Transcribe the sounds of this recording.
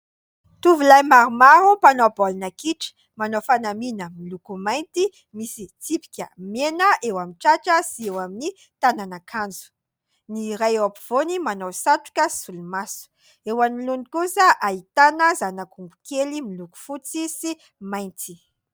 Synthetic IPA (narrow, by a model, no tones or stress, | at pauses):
t̪uvulajmaɾumaɾupanobolinakiʈ͡ʂi̥ | manofanaminəmilukumajnt̪i | misit͡sipi̥kʲə̰menəʔewaminʈ͡ʂaʈ͡ʂəsiewamini | t̪ananakʰand͡zu̥ | niɾajwapiv̥onimanowsaʈ͡ʂu̥kəsulumasu̥ | ewanilunikusəʔait̪anəzanakumbukelimiluku̥fut͡sisi | majnt̪i̥